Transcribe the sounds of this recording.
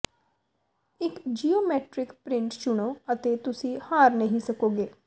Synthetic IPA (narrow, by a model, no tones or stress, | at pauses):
ɪkd͡ʒiːoːmɛːʈɾɪkpɾɪ̃ɳʈt͡ʃʊɽ̃oːət̪eːt̪ʊsĩːhaːɾnəɦĩːsəkoːɡeː